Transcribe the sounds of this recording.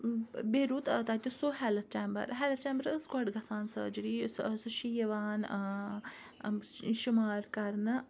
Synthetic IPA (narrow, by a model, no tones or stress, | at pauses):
beːɾuːt̪t̪at̪ʲosoɦɛːlɐt̪̚t͡ʃeːmbə̰ɾɦɛːlɐt̪t͡ʃeːmbəɾəskwɐʈɡɐsaːnsɨ̰d͡ʒiɽiːssuʃijɐʋaːn | ʃʊmaːɾkɐɾnɨ